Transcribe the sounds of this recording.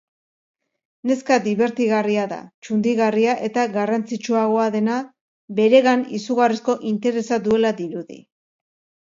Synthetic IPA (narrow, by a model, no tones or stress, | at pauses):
ne̞skad̪iβe̞ɾt̪iɣariaða̰t͡ʃund̪iɣariaʔe̞t̪aɣarant͡sit͡ʃuaɣo̞aðe̞na | be̞ɾe̞ɣanisuɣarisko̞ʔint̪e̞ɾe̞sad̪ue̞laðiɾuðḭ